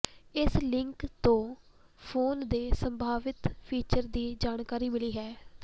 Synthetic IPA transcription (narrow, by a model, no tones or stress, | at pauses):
ɪslɪŋkt̪õː | pʰoːnd̪eːsəmbʱaːʋɪt̪pʰiːt͡ʃəɾd̪iːd͡ʒaːɳkaːɾiːmɪliːɦɛː